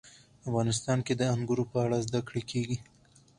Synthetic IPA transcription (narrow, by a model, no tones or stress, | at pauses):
afɣɑnɪs̬t̪ɑnked̪əaŋɡuɾopəaɽazd̪akɽekʰeɡi